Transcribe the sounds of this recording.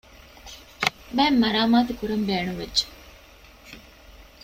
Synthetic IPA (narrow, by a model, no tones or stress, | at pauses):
bæmːɐɾaːmaːt̪ukuɾɐmbeːnuʋedd͡ʒe̥